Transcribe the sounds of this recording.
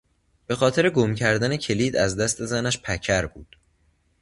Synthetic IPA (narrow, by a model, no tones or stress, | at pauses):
b̥e̞xɒːt̪ʰe̞ɾe̞ɡomcʰæɾd̪æne̞cʰe̞liːd̪æzd̪æst̪e̞zænæʃpʰæcʰæɾbuːd̪̥